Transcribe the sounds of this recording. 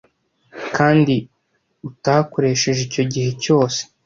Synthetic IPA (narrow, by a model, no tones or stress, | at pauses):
kaːndi | utako̞ɾe̞ʃe̞ʒico̞ɟihe̞co̞ːse̥